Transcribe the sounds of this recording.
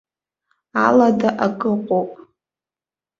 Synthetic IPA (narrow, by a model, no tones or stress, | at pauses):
aladaʔaɡʼɨqʷʼowpʼ